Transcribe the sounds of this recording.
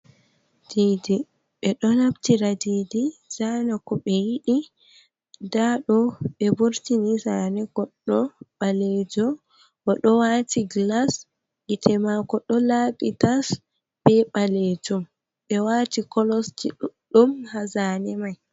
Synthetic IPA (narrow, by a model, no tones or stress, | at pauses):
d̥iːdi | ɓɛɗɔnabtiɾadiːdiz̥anakɔɓɛjiɗi | daɗɔɓɛbuɾtinizanɛɡ̥ɔɗːɔɓaled͡ʒɔ | bɔɗɔwatiɡlas | ɡitʰɛmakɔɗɔlaɓitas | b̥ɛɓaled͡ʒɔm | ɓɛwatikɔlɔsd͡ʒiɗumhazanɛmaj